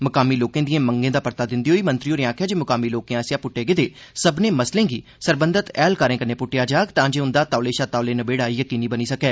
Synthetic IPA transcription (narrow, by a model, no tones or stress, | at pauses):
mʊkaːmiːloːkẽːd̪ijẽːməŋɡẽːd̪aːpəɾt̪aːd̪ɪnd̪iɦoːiːmə̃nt̪ɾioːnẽãːkʰjaːd͡ʒeːmʊkaːmiːloːkẽːasjaːpʊʈːeːɡɪd̪eː | səbneːməslẽːɡiː | səɾbənd̪ət̪ɛːlkəɾẽːkənẽːpʊʈːɪjaːd͡ʒaːkt̪ãːd͡ʒeːʊ̃nd̪aːt̪aːleːʃaːt̪aːleːnəbeːɽaːiːjəkiːniːbəniːsəkɛː